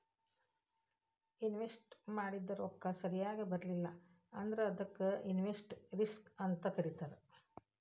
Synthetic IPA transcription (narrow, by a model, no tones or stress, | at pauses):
inʋesʈmaːɽid̪ːɐɾɔkːɐsɐɾijaːɡibɐɾɐlilːɐ | ɐnd̪ɐɾeɐd̪ɐkːeinʋesʈɾiskɐnt̪ɐkɐɾit̪aːɾe